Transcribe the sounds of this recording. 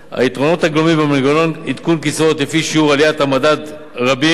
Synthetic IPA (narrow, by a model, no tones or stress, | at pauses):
ha̰it̪ʁo̞no̞t̪aɡlomimbameɡononid̪kunkisvo̞t̪lefiʃiuʁalijat̪hamadad̪ | ʁabi